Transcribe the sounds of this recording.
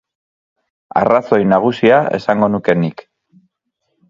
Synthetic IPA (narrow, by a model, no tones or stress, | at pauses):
a̰raso̞jnaɣ̞usiae̞̰saŋɡo̞nuke̞nik